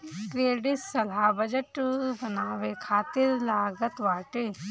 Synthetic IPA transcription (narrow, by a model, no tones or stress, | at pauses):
kɾeːɖɪssɐlaːbəd͡ʒəʈbɐnaːʋekʰaːt̪ɪɾlaːɡət̪ʋaːʈeː